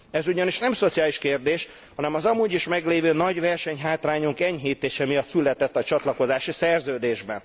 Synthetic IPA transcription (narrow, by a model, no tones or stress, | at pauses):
ɛzuɟɒniʃnɛmso̞t̪sijaːliʃkeːrd̪eːʃ | hɒnɛmɒzɒmuːɟiʃmɛɡleːvøːnɒɟvɛrʃɛɲɦaːt̪raːɲuŋkɛɲɦeːt̪eːʃɛmijɒt̪sylɛt̪ɛt̪ːɒt͡ʃɒt̪lɒko̞zaːʃisɛrzøːd̪eːʒbɛn